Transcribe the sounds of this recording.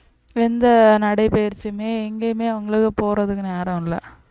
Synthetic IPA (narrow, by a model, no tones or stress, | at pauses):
ɛnd̪ɐnɐɽɐɪpejɪɾt͡ʃːɯmeːɛŋɡeːmeːɐʋɐŋɡɐɭɯkːɯpoːɾɐðɯkːɯnaːɾɐ̃lɐ̰